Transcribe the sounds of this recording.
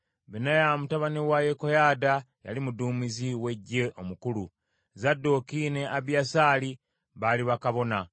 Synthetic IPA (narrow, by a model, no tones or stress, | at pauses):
βinajamutaβaniwajekojaːda | ja̰limuduːmiziwe̞ɟːe̞ʔo̞mukulu | zadːo̞kiːne̞aβjasaːli | βaliβakaβo̞na